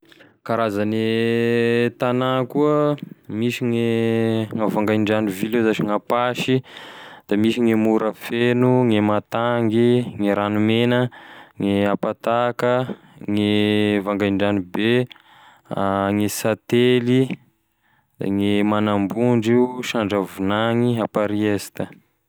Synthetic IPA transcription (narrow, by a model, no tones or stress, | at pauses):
kaɾazane | t̪anakuəmisiŋeŋavaŋɡajɳɖ͡ʐanivilezat͡ʃiŋapaʃid̪̥amisiŋemuɾəfenuŋemat̪aŋɡiŋeɾanumenəŋeapat̪akə | ŋevaŋɡajɳɖ͡ʐanibe | ŋesat̪eli | d̪̥a̰ŋemanambuɳɖ͡ʐiʃaɳɖ͡ʐavunaŋiapaɾiest̪ə